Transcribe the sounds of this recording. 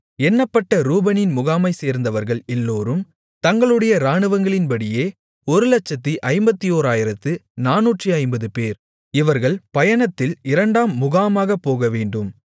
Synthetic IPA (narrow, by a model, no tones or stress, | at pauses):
ɛnːɐpːɐʈːɐɾuːbɐnɪnmʊɣaːmɐɪseːɾnd̪ɐʋɐɾɣɐɭɛlːoːɾɯm | t̪ɐŋɡɐɭɯɽɐjɐɾaːɳɯʋɐŋɡɐɭɪnpɐɽɪjeː | ɔɾɯlɐt͡ʃːɐt̪ːiʔɐɪmbɐt̪ːijoːɾaːjɪɾɐt̪ːɯnaːnuːʈriɐɪmbɐðɯpeːɾ | ɪʋɐɾɣɐɭpɐjɐɳɐt̪ːɪlɪɾɐɳɖaːmːʊɣaːmaːɣɐpːoːɣɐʋeːɳɖɯm